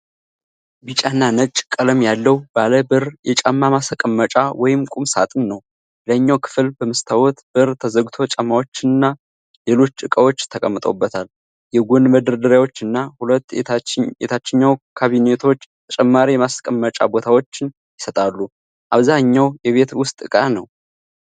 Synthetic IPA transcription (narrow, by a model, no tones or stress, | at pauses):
bɨt͡ʃʼanːanət͡ʃʼːkʼələmjalːəwbaləbɨɾjɛt͡ʃʼamːamaskʼəmːət͡ʃʼawʔɔjɪmkʼumsa̰t̪ʼɨnnəw | ləɲːawkʰɨ̥fɨlbəmɨst̪ʰawɔt̪bɨɾt̪ʰəzəɡt̪ʰo̞t͡ʃʼamːawo̞t͡ʃːɪnɨnːa | le̞lo̞t͡ʃːɨkʼəwot͡ʃːt̪ʰəkʼəmːɨt̪ʼowbːət̪ʰal | jɛɡunməd̪ɨɾd̪ɨɾjawot͡ʃːɨnːahulət̪ːeḛt̪ʰat͡ʃːɪɲːawkʰaβinet̪ʰo̞t͡ʃːt̪ʰət͡ʃʼɛmːaɾijɛmaskʼəmːət͡ʃʼa̰bo̞t̪ʰawo̞t͡ʃːɪn | jɪsət̪ʼalːu | ʔaβzaɲːawjɛβe̞t̪wʊst̪ʼɨkʼanəw